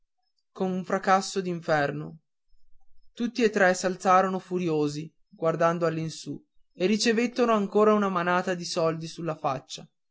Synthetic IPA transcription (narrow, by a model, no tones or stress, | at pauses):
konuɱfɾakasːod̪iɱfɛrno | t̪ut̪ːiet̪ːɾɛsalt̪saːɾonofuɾjoːzi | ɡward̪and̪oalːinsu | erːit͡ʃevet̪ːonoaŋkoːɾaunamanaːt̪ad̪isɔld̪isulːafat͡ʃːa